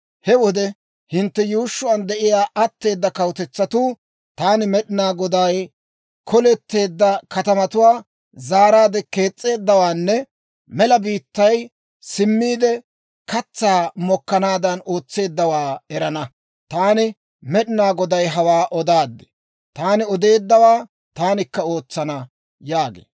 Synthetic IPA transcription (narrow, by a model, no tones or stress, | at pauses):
hɛwɔd̪ɛ | hɪnt̪ːɛjuːʃːʊɐnd̪ɛʔɪjaːʔɐt̪ːe̞ːd̪ːɐkɐwt̪ɛt͡sːɐt̪uː | t̪aːnɪmɛɗɪnaːɡɔd̪ɐj | kɔlɛt̪ːe̞ːd̪ːɐkɐt̪ɐmɐt̪ʊwaː | zaːɾaːd̪ɛke̞ːt͡sʼːe̞ːd̪ːɐwaːnːɛ | mɛlɐbiːt̪ːɐj | sɪmːiːd̪ɛ | kɐt͡sːaːmɔkːɐnaːd̪ɐno̞ːt͡sːe̞ːd̪ːɐwaːɛɾɐnɐ | t̪aːnɪ | mɛɗɪnaːɡɔd̪ɐjɦɐwaːʔɔd̪aːd̪ːɛ̥ | t̪aːnɪɔd̪e̞ːd̪ːɐwaː | t̪aːnɪkːɐo̞ːt͡sːɐnɐ | jaːɡḛː